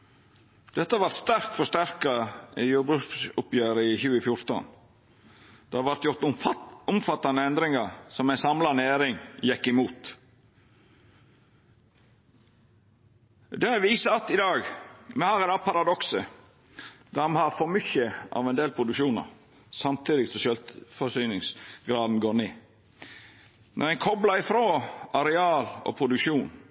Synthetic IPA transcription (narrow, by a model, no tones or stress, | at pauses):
d̪̥ɛt̪ːəɑʋɑɾt̪st̪æɾk̚t̪fɔʂt̪æɾkɑjuːbʉʊpjøːɾəɪçʉːəfjʊɾt̪ə̰n | d̪̥ɛɑʋæɾt̪jʊɾt̪ʊmfɑt̪ːɑnəɛnd̪ɾɪŋɑsɔmæɪnsɑmlɑnəeːɾɪŋjɛkːɪmuːt̪ | d̪ɛʋiːsəɑt̪ɪd̪ɑːɡmɛhɑːɾæd̪ɑːpʰɑɾɑd̪ɔksə | d̪̥ɑnhɑɾfɔɾmʏçəɑ̰ʋɛnd̪eːlpʰɾʊd̪ʉkʃuːnɑ̰ɾ | sɑmt̪ʰiːd̪ɪɡsɔʃœlt̪fɔsyːnɪŋsɡɾɑːd̪n̩ɡoːɾneː | nʔɔ̰ɾæɪnkʰɔblɑɪfɾoːɑɾɛɑːlo̰ːpʰɾʊd̪ʉkʃuːn